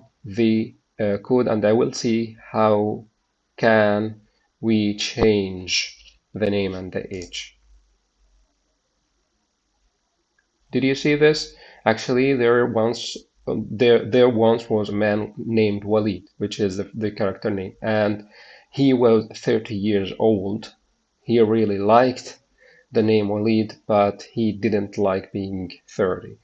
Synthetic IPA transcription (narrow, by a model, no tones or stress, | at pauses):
ðɨ | kʰʊɾə̰̃ndaɪwɪlˠsihaʊ | kʰɨ̃n | wit͡ʃʰẽɪ̃nd͡ʒ | ðɨnẽɪ̃mɨ̃nðḭʔeɪd͡ʒ | d̥ɨdjɨsiðɪs | æk̚t͡ʃʉl̩ˠiðə˞wʌ̃ns | ðəðə˞wʌ̃nswʌzəmæ̃nːẽɪ̃md̚walˠid̥̚wɨt͡ʃɪzðɨðɨkʰɛɹɨk̚tʰə˞nẽɪ̃mʔɨ̃n | iwʌz̥θɜ˞ɾijɪɹzoʊlˠd̥ | hiɹɪlˠilaɪkt | ðɨnẽɪ̃mwalidb̥ʌthidɪdⁿn̩tʰlaɪk̚b̥iɪ̃ŋθɜ˞ɾḭ